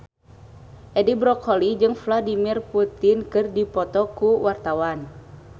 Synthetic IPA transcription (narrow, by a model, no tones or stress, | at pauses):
ʔɛdibɾɔkʰɔlid͡ʒɨŋfladimirput̪inkɨrdipɔt̪ɔkuwart̪awan